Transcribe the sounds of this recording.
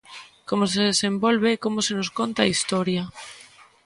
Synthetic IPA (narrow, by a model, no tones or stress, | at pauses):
komoseðesembolβ̞ekomosenoskont̪aist̪oɾja